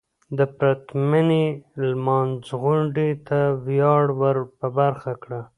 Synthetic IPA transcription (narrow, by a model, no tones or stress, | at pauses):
d̪əpɾat̪manelmɑnzɣʊɳɖet̪awjɑɽwəɾpəbaɾxakɽa